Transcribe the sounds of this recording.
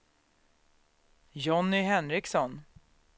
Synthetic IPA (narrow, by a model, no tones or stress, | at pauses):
jɔnːɪɦɛnɾɪksɔn